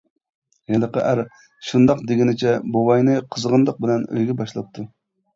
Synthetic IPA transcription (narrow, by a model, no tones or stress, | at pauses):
jɛlˠəqə̰ʔæɾ | ʃund̪ɑqd̪ɪɡʲinɪt͡ʃʰɛbowɑjnɨqʰəzʁənd̪ˠəq̚bɪlɛnø̰jɡʲɛbɑʃlˠɑp̚t̪ʰːu